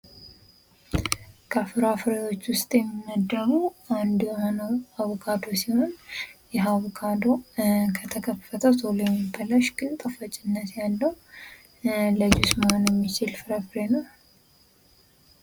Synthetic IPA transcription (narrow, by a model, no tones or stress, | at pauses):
kʰafɨɾafɨɾeo̞t͡ʃːwʊst̪ʼjɛmːinːəd̪əɾuand̪jhonəwawɔkʼad̪o̞siho̞njɛɦawkʰʼad̪o̞kʰət̪ʰəkʰəfət̪ʰət̪ʰolojɛmːibəlaʃɡɨnt̪ʼəfət͡ʃʼɪnːət̪jalːəw | ləd͡ʒusməhonjɛmːit͡ʃɪlfɨɾafɾenəw